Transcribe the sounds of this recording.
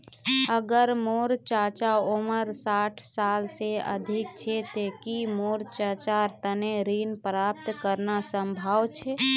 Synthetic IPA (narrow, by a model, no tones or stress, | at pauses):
əɡəɾmoɾt͡ʃat͡ʃaoməɾsaːʈʰsaːlseə̰d̪ʱikt͡ʃʰet̪ekimoɾt͡ʃat͡ʃaɾt̪əneɾinpɾap̚t̪kəɾnasəmbʱawt͡ʃʰɛ